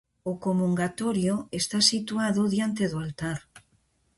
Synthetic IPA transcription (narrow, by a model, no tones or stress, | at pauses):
okomuŋɡat̪oɾjoest̪asit̪uaðoðjant̪eðoalt̪aɾ